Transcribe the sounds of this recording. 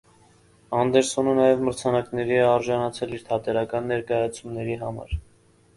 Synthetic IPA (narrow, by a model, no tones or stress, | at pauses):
ɑnd̪ɛɾsɔnənɑjɛvməɾt͡sʰɑnɑknɛɾiɛɑɾʒɑnɑt͡sʰɛliɾt̪ʰɑt̪ɛɾɑkɑnːɛɾkɑjɑt͡sʰumnɛɾiɦɑmɑ̰ɾ